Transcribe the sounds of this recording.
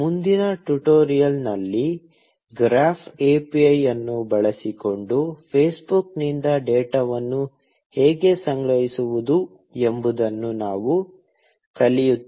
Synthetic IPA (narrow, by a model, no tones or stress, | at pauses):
mund̪inɐʈuʈoːɾijɐlnɐlːi | ɡɾaːpʰeːpiɐjɐnːubɐɭɐsiko̞ɳɖupʰeːsbuknind̪ɐɖeːʈɐʋɐnːu | hɛːɡe̞sɐŋɡɾɐɦisuʋud̪u | e̞mbud̪ɐnːunaːʋu | kɐlijut̪ː